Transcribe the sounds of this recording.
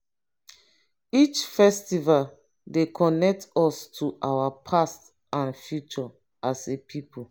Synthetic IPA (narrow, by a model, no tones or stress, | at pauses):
it͡ʃfɛstival | dekʰɔnɛk̚tʰɔstʰuʔawapʰast | ãnfjut͡ʃɔ | ʔasepʰipʰol